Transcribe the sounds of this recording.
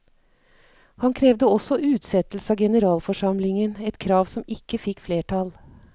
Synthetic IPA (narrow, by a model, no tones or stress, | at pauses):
hɑnkʰɾeːʋd̪əɔsɔʔʉːt̪sɛt̪l̩səɑːɡɛnəɾɑːlfɔʂɑmlɪŋənɛt̪kʰɾɑːʋsɔmɪkːəfɪkːfleːʈɑl